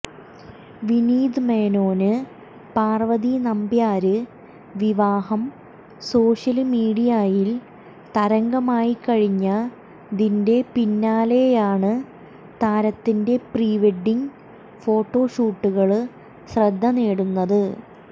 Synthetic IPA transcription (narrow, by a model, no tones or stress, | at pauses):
ʋiniːd̪ɨmeːno̞ːnɨ | paːrʋɐðinɐmbjaːɾɨ | ʋiʋaːhɐm | so̞ːʂɐlmiːɽijajil | t̪ɐɾɐŋɡɐmaːjikɐɻiɲːɐ | d̪inde̞pinːaːlejaːɳɨ | t̪aːɾɐt̪ːinde̞priːʋeɖːiŋ | fo̞ːʈːo̞ːʂuːʈːuɣɐɭ | ɕrɐd̪ʱːɐneːɽunːɐðɨ